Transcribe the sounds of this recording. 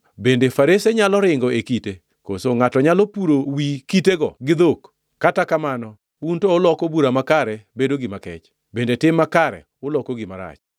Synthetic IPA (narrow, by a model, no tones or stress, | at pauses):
bendefaɾeseɲalɔɾɪŋɡɔekite | kosoŋatɔɲalopuɾowikiteɡɔɡɪd̪ok | kːatakamanɔ | wuntoːlɔkɔbuɾamakaɾɛbedoɡɪmakɛ̰t͡ʃ | bendetɪmːakaɾɛ̰ | ʊlɔkoɡɪma̰ɾa̰t͡ʃ